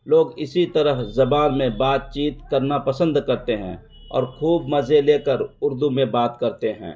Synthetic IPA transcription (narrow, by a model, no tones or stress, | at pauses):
loːɡɪsit̪əɾəɦzɐbaːnmẽbaːt̪̚t͡ʃiːt̪kəɾnapəsə̃nd̪kɐɾt̪eɦɛ̰̃ː | ɔ̰ːɾkʰuːbmɐzeleːkəɾʊɾd̪umẽbaːt̪kəɾt̪eɦɛ̰̃ː